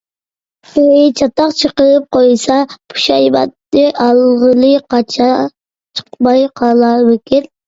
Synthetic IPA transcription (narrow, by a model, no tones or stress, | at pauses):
et͡ʃʰɑt̪ɑqt͡ʃʰəqəɾɨp̚qojsɑpʰu̥ʃɑjbɑ̰t̪ːɨʔɑlˠʁəlˠɨqɑt͡ʃʰɑ | t͡ʃʰə̥qmɑjqʰɑlˠɑwekʲɪl